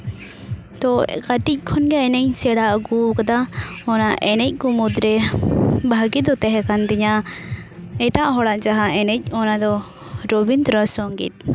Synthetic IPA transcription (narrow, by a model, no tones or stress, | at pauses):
t̪ɔkaʈic̚ˀkʰɔnɡɛɛnɛɲsɛɽaʔɡukad̪aɔnaʔɛnɛc̚ˀkɔmud̪ɾɛ | bʱaɡid̪ɔt̪ɛɦɛkand̪ɛɲa | ɛʈaʔɦɔɽaʔd͡ʒaɦaɛnɛc̚ˀɔnad̪ɔ | ɾɔbint̪ɾɔsɔŋɡḭt̪̚